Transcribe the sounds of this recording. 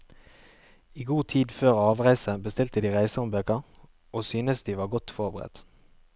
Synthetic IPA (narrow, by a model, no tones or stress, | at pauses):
iːɡuːt̪ʰiːd̪føːʁɑːʋʁæɪsəbəst̪ɪlt̪əd̪iːʁæɪsəɔmbøːkəʁ | ʔoːsyːnəsd̪iːʋɑːʁɡɔt̪fɔʁbəʁɛ̰t̪